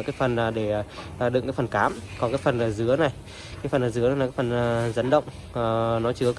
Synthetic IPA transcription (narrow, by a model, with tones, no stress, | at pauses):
kaː˨˦jfə˨˩naː˨˩ɗe˧˩˨ | əː˨˩ɗɨ̰˧˨ŋkaː˨˦fə˨˩nkaː˨˦mkɔ˨˦kaː˨˦jfə˨˩nʔəː˧˩zɨ˨˦əna˨˩j | kaː˨˦jfə˨˩nʔəː˧˩zɨ˨˦n˨˦a˨kaː˨˦jfə˨˩nː˨˩zə˨˦nɗə̰˧˨wŋ͡m | ə˨˩nɔ˨˦t͡ɕɨ˨˦ə